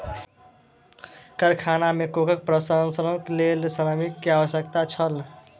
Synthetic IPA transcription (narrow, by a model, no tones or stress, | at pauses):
kəɾkʰanamekokək̚pɾəsənsəɾõklelsəɾəmikːeaʋəsjək̚t̪at͡ʃʰəl